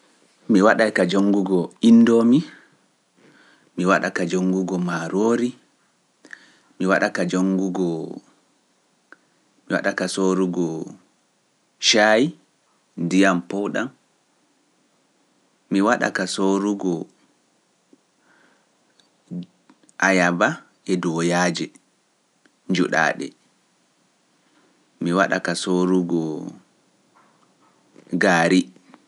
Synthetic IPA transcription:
miwaɗajkad͡ʒoŋːɡuɡɔinːdɔmi | miwaɗa̰kad͡ʒoŋɡuɡɔmaɾoːɾi | miwaɗakad͡ʒoŋɡuɡɔ | miwa̰ɗakasoɾuɡɔ | ʃaːji | ndijampɔwɗa̰m | miwaɗa̰kasoɾuɡɔ | ʔajaba | ɛdɔjaːd͡ʒɛ | ɲd͡ʒuɗa̰ːɗɛ̰ | miwaɗa̰kasoɾuɡɔ | ɡaːɾi

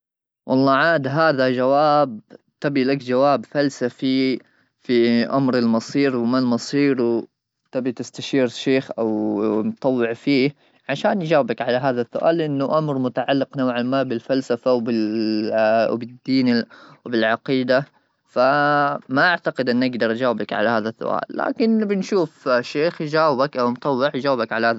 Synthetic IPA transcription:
wʔɑlˤːɑːʕaːd̪ɦaːðad͡ʒawaːb̚ | t̪abilakd͡ʒawaːbfalsafi | fiʔa̰mɾɪlmɑsˤiːɾwɪmalmɑsˤiːɾw | t̪abit̪ɪst̪aʃiːɾʃeːxʔawmt̪ˤːɑwːɪʕfiː | ʕaʃaːnjd͡ʒaːwbakʕalaɦaːðasːʊʔa̰ːlʔɪnːʊʔamɾmʊt̪aʕalːɪqnawʕalmaːbɪlfalsafawbɪ | bɪd̪ːiːnwbɪlʕɑqiːd̪a | famaʔaʕt̪aqɪd̪ʔɪnːʔaɡd̪ɑɾˤʔd͡ʒaːwbakʕa̰lahaːðasːʊ̰ʔa̰ːlːa̰ːkɪnbɪnʃuːfʃeːxd͡ʒaːwɪbakʔawmt̪ˤɑwːɪʕjd͡ʒaːwbakʕalahaːð

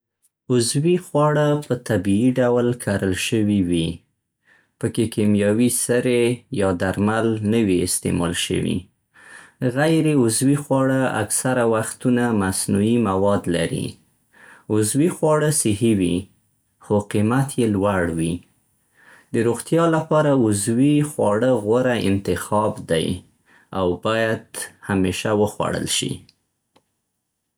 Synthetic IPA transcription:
ʊzwixwɑɽapət̪abiiɖawlkʰaɾəlʃəwiwi | pəkekemjɑwisəɾejɑd̪aɾmalnəwiɪ̰st̪ḛmɑ̰lʃə̰wḭ | ɣajɾeʊzwixwɑɽaa̰ksaɾawaxt̪unamasnuimawɑd̪la̰ɾḭ | ʊzwixwɑɽəsɪhiwi | xoqimat̪jelwaɽwi | d̪əɾoɣt̪jɑlapɑɾaʊzwixwɑɽəɣwəɾaɪ̰nt̪ɪxɑbd̪a̰j | awbɑjad̪hameʃawəxwa̰ɽə̰lʃḭ

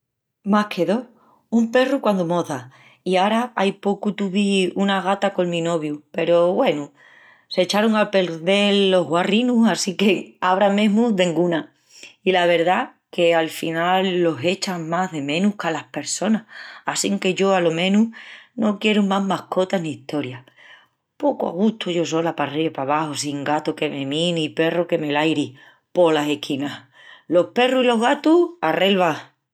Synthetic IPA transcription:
mahkʰe̞ðo̞ | umpe̞rukwand̪omo̞ða | iaɾaajpo̞kut̪uβiunaɣ̞at̪ako̞ŋmĩno̞βjupe̞ɾo̞βwe̞nu | se̞t͡ʃaɾuŋape̞ɾðe̞lːo̞ɦɣwarinusasike̞aβɾamẽ̞ɦmuðe̞ŋɡuna | ilaβ̞e̞ɾða | ke̞alfinalːo̞ɦe̞t͡ʃaŋmaɦðe̞mẽnuhkalahpe̞ɾso̞nahasiŋke̞ʝo̞alo̞mẽ̞nuhno̞kje̞ɾumaɦmahko̞t̪aniːht̪o̞ɾja | po̞koa̰ɣ̞uht̪uʝo̞so̞lapariβepaβahosiŋɡat̪oke̞me̞mĩnipe̞roke̞me̞lajɾi | po̞lase̞hkʰinah | lo̞hpe̞ruilo̞ɦɣat̪uhare̞lβa

